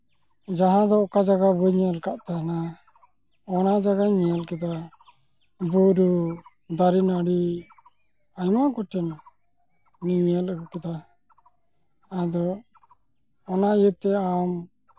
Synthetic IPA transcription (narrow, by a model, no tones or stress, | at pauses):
d͡ʒaɦãd̪ɔɔkad͡ʒaɡabuɲɛalkaʔt̪ana | ɔnad͡ʒaɡaɲɛalkɛt̪a | buɾu | d̪aɾinaɽi | ajmaɡɔʈɛn | iɲijaləɡukɛt̪a | d̪ɔ | ɔnajət̪ɛam